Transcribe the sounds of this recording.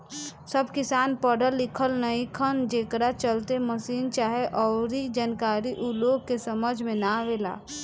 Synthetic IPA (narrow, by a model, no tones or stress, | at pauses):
səbkɪsaːnpɔːɖəlːɪkʰəlnəĩkʰənd͡ʒeːkɾat͡ʃəlt̪eməsiːnt͡ʃaːɦeʔɔːɾid͡ʒaːnkaːɾiʔʊloːɡ̚kesəməd͡ʒʱmẽnaʋeːla̰ː